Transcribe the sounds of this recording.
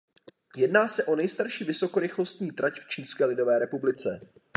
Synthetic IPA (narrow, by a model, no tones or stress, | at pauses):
jɛdnaːsɛʔo̞nɛjst̪aɾʃiːvɪso̞ko̞ɾɪxlo̞st̪ɲiːt̪ɾʔacft͡ʃiːnskɛːlɪdo̞vɛːɾɛpublɪt͡sɛ